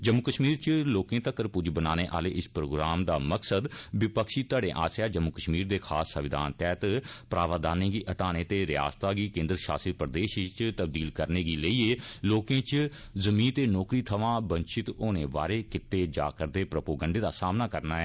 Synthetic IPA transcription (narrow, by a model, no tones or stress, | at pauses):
d͡ʒəmːukəʃmiːɾt͡ʃloːkẽːt̪əkːəɾpʊd͡ʒbənaːneːʔa̰ːleːʔɪspɾoːɡɾaːmd̪aːməksəd̪ʋɪpəkʃiːt̪əːɖẽːʔa̰ːsjaːd͡ʒəmːukəʃmiːɾd̪eːkʰaːsːəʋɪd̪ʱa̰ːnt̪ɛːt̪pɾaːʋaːd̪aːnẽːɡiːʔəʈaːneːt̪eːɾɪja̰ːst̪aːɡiːkẽːnd̪əɾʃa̰ːsɪt̪̚pəɾd̪eːʃt͡ʃt̪əb̚d̪iːlkəɾneːɡiːləiːeːloːkẽːt͡ʃ | zəmĩːnt̪eːnɔːkɾiːt̪ʰəʋãːbə̃nt͡ʃɪt̪oːneːʋa̰ːɾeːkɪt̪eːd͡ʒa̰ːkəɾd̪eːpɾəpoːɡəɳɖeːd̪aːsaːmnaːkəɾnaːɛː